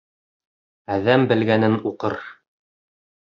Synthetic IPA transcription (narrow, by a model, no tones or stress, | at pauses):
æðæmbɘ̆lɡænɘnuqɤɾ